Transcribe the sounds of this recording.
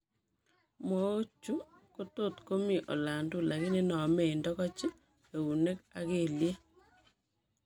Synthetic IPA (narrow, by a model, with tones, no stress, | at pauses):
mo˨˦o˦t͡ʃu˦ | ko˦to˦˨tko˦mi˨ʔo̰˨la˨ndu˦la˨ɣi˦ne˦nɔ˨me˨i˨ndɔ˦kɔ˦t͡ʃi˦ | e˨u˨ne˦ka̰˦ke˨lje˦